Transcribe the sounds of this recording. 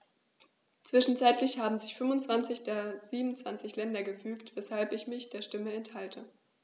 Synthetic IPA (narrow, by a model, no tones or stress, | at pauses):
t͡sv̥ɪʃn̩t͡saɪtlɪçhaːbm̩zɪçfʏnvʊnt͡sv̥ant͡sɪçd̥eːɐz̥iːbm̩nt͡sv̥ant͡sɪçlɛndɐɡəfyːktv̥ɛshalpɪçmɪçd̥eːɐʃtɪməɛnthaltʰə